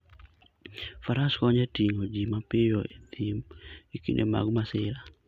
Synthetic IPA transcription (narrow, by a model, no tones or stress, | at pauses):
faɾaskɔɲɛtiŋod͡ʒimapɪjɔed̪imikḭnʔḛma̰ɡmasɪɾa